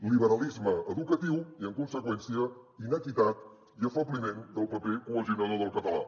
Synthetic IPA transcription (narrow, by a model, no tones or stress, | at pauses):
liβəɾəlizməəðukət̪iwiəŋkunsəkwɛnsiəinəkit̪at̪ | iəfəβlimend̪əlˠpəpekuləʒiunaləðəlˠkət̪əla̰